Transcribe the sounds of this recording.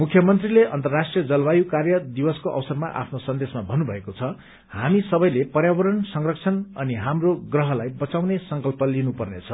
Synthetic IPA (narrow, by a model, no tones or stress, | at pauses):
mukʰjʌmʌnt̪rileʔʌnt̪ʌrːasʈrijʌd͡zʌlwajukarjʌd̪ibʌskoʔʌ̰wsʌrma̰ʔa̰pʰnosʌnd̪esmabʱʌnːubʱʌekot͡sʰʌ | hamisʌbʌjlepʌrjabʌɾʌnsʌŋrʌk̚t͡sʰʌnʌniɦamroɡrʌɦʌlajbʌt͡sawnesʌŋkʌlpʌlinupʌrnet͡sʰʌ